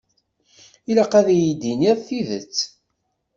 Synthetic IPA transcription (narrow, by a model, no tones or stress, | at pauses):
iləqæðjid̪iniɾθiðə̰t͡sː